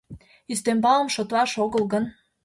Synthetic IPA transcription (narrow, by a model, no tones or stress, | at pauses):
yst̪embɑlə̆mʃŏt̪lɑʃoɣəlɣən